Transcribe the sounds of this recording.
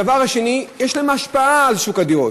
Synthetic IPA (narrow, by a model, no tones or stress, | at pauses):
avaʁhaʃe̞nijɛʃlaemaʃpaalʃukad̪io